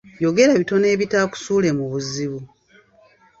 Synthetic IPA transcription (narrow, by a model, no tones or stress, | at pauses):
jo̞ɡe̞ɾaβito̞ne̞ːβitaːku̥suːle̞muβuziβu